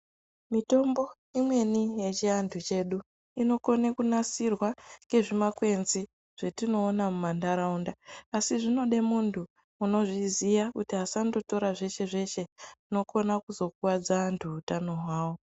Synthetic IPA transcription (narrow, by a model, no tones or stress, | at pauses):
mito̞mbo̞ | imwe̞nije̞t͡ʃiandʰut͡ʃe̞ɗu | ino̞ko̞nekunasirwaŋe̞ʐimakwe̞nzi | ʐ̥e̞tino̞ːnamumandaɾaundaːsiʐino̞ɗe̞muntʰu | uno̞ʐizijakutiɦasando̞to̞ɾaʐe̞ʃe̞ʐe̞ʃe̞no̞ko̞nakuzo̞kuwad͡zantʰuːtanoɦwaːwo̞